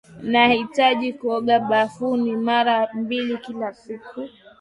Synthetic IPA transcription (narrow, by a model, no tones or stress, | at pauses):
nahitaʄikuɔɠaɓafunimaɾambilikilasiku